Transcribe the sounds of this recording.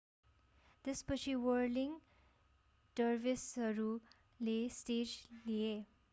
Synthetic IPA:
t̪espʌt͡sʰiwʌɾliŋ | sʌrbisʌɾu | lesʈed͡ʒlie

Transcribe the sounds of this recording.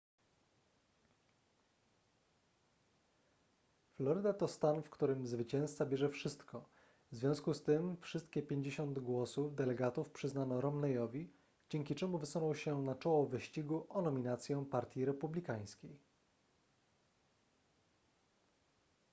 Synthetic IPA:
flɔɾɘd̪at̪ɔst̪anfkt̪uɾɘmzvɘt͡ɕɛ̃st̪sabʲjɛʐɛfʂɘst̪kɔ | vzvʲɔ̃w̃skust̪ɘmfʂɘst̪̚kʲɛpʲjeɲd͡ʑeɕɔnd̪ɡwɔsuvd̪ɛlɛɡat̪ufpʂɘznanɔɾɔmnɛjɔvʲi | d͡ʑɛŋkʲit͡ʂɛmuvɘsunɔ̃w̃ɕɛnat͡ʂɔwɔvɘɕt͡ɕiɡuʔɔnɔmʲinat̪sʲjɔ̃w̃paɾt̪ʲjiɾɛpublʲikaj̃skʲej

